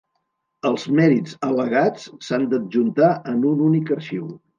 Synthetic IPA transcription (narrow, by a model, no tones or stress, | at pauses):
əlˠzmɛɾid͡zələɣat͡ssand̪əʒunt̪aʔənununikərʃiw